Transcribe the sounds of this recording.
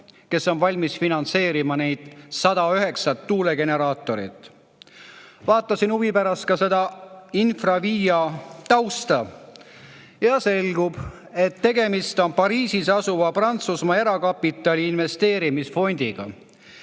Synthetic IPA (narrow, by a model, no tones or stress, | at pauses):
ke̞so̞nvɑlʲmisfinɑnt̪se̞ːɾimɑne̞jd̪̥sɑd̪ɑøɦe̞ksɑt̪ːuːle̞ɡe̞ne̞ɾɑːt̪ːˑo̞ɾḭt̪ːˑ | vɑːt̪ːˑɑsinuvipæɾɑst̪̚kɑse̞d̪ɑinfrɑviːjɑt̪ɑwst̪ɑ | jɑse̞lɡub̥ | e̞t̪ːe̞ɡe̞mist̪o̞npɑɾiːsisɑsuvɑprɑnt̪susmɑe̞ɾɑkɑpːˑit̪ˑːɑlʲiinve̞st̪e̞ːɾimisfo̞nʲd̪̥iɡ̥ɑ̰